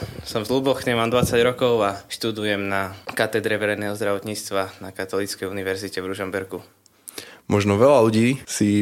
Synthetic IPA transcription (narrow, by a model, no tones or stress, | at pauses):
sɔmzlubɔxɲɛmaːmd̪ʋat͡saɟɾɔkɔʊaʃt̪ud̪ujɛmnakat̪ɛd̪ɾɛʋɛɾɛjnɛːɦɔzd̪ɾaʋɔt̪ɲiːt͡st̪ʋanakat̪ɔlit͡skɛjuniʋɛɾzicɛvɾuʒɔmbɛɾɡu | mɔʒnɔʋɛlaluɟiːsi